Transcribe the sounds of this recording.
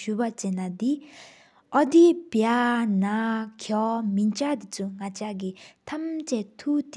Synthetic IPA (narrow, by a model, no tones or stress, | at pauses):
ɕupat͡ɕenːad̪i | ʔɔd̪ipjanakʰɔmint͡ɕad̪it͡sʰuŋat͡ɕaɡit̪ʰamt͡ɕɛt̪ʰut̪